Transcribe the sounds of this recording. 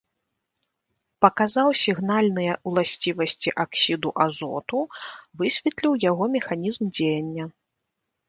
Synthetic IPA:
pɐkazawsʲiɣnalʲnɨjɐwlˠasʲt͡sʲivɐsʲt͡sʲiʔaksʲid̪uʔazɔ̰t̪uvɨsʲvʲɛt̪lʲiwjaɣɔmʲɛxanʲizmd͡zʲejɐnʲːɐ

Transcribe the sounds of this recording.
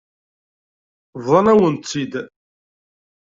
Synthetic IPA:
vðˤɑnæwənt̪sid̪

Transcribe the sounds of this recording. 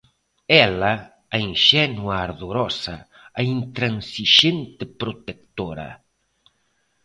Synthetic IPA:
ɛlɐ | aiŋʃɛnuaːɾðoɾɔsɐ | aint̪ɾansiʃent̪epɾot̪ekt̪oɾɐ̰

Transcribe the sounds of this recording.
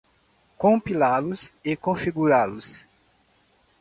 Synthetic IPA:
kõpilalʊsɪkõfiɡuɾalʊs

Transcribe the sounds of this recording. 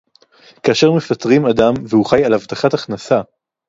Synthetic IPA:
kaːʃeʁmefat̪ʁimad̪amvehuχajalhavt̪aχat̪aχnasa

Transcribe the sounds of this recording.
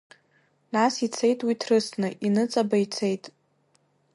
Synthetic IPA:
nasit͡sʰe̞jtʼwitʰrɨsʰnɨʔinɨt͡sʼabait͡sʰe̞jtʼ

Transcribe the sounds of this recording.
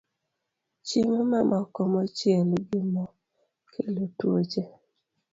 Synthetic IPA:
t͡ʃimmamʔɔkɔmɔt͡ʃjelɡɪmɔ | kʰelotwot͡ʃe

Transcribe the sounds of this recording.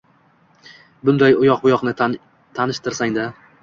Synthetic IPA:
bʊnd̪ajʊjɒqbʊjɒqnɪ | t̪ʰanɪʃt̪ɪɾsaŋd̪a

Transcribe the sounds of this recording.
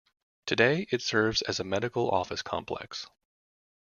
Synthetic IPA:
tʰɨdeɪʔɨtsɜ˞vzɨzɨmɛɾɨkl̩ˠɔ̰fɨskʰɑ̰̃mpʰl̥ɛ̰ks

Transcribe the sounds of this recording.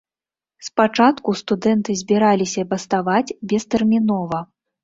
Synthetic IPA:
spat͡ʂat̪kust̪ud̪ɛnt̪ɨzʲbʲiɾalʲisʲɐbɐst̪avat͡sʲbʲɛst̪ɛrmʲinɔvɐ

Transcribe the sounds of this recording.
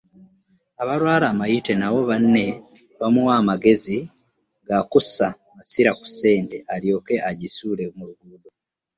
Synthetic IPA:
aβaɾwaːɾaːmajite̞nawo̞βanːe̞ | βamuwaːmaɡe̞zi | ɡakusa | masiɾaku̥se̞ːnte̞aɾjo̞ːke̞ʔaɟisuːlemuɾuɡuːdo

